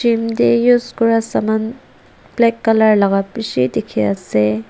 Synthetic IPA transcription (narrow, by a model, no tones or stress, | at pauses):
timdejuzkɔɹasaman | plɛkːalaɹlaɡapisidekʰiasɛ